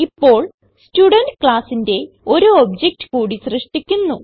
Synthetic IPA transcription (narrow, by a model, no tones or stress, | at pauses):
ipːo̞ːɭ | stuɽɐndkɭaːsinde̞ | o̞ɾuobd͡ʑek̚ʈɨ̥kuːɽisrɨʂʈikʲːunːu